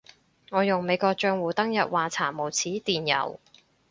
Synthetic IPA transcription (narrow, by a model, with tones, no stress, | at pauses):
ŋɔː˨˧jʊ˨ŋme˨˧jkɔː˧k̚t͡ʃœː˧ŋwuː˨˩t̪ɐ˥ŋjɐ˨t̚waː˨t͡sʰaː˨˩mo˨˩wt͡sʰiː˨˥t̪iː˨njɐ̰˨˩w